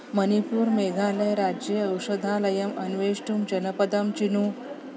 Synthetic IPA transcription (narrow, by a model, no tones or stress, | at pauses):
mənipuːɾmeɡʱãlẽɾad͡ʑeəwɕəd̪ʱãləjəmənʋeɕʈumd͡ʑənəpəd̪əmt͡ɕinu